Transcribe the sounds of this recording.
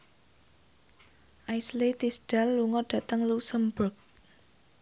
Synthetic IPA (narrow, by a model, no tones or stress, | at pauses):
ʔajslit̪isɖ̥alːuŋɔɖ̥ä̤t̪əŋlusəmbʊk̚